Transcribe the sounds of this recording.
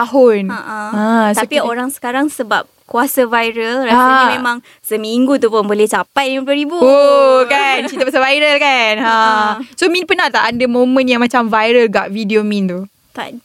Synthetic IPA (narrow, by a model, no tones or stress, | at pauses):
t̪aɦʊnʔãstaopioɾaŋsə̥kaɾaŋsəba̰p̚kuasavajɾəlɾaasmẽmãŋ | səmiŋɡut̪upʊnbolɛht͡ʃapajdəmp̬loɾibuokant͡ʃit̪apasavajɾəlkanãsomĩnpənaht̪aʔːndəmõmə̃njaŋmãt͡ʃamvajɾəlɡaʔvidiomĩnt̪u | t̪a̰ʔ